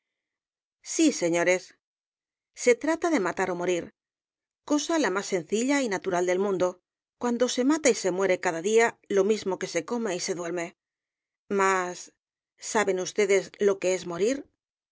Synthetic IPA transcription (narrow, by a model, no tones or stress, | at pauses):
sise̞ɲo̞ɾe̞s | e̞t̪ɾat̪aðe̞mat̪aɾo̞mo̞ɾiɾ | ko̞salamasːe̞n̟θiʎainat̪uɾald̪e̞lmũnd̪o̞ | kwand̪o̞se̞mat̪aise̞mwe̞ɾe̞kaðaðialo̞mizmo̞ke̞se̞ko̞meise̞ðwe̞ɾme̞ | masː | aβe̞nust̪e̞ðe̞zlo̞ke̞e̞zmo̞ɾiɾ